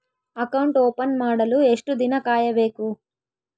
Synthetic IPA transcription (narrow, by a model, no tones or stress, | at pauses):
ɐkɐwɳʈoːpɐnmaːɽɐlueʂʈud̪inɐkaːjɐʋe̞ːku